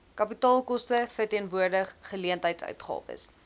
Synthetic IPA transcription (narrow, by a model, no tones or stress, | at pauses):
kɐpitɑːlˠkɔstəfərtiənvuərdəχːəliəntɦəjtsœ̰ɥtχɑ̰ːpə̰s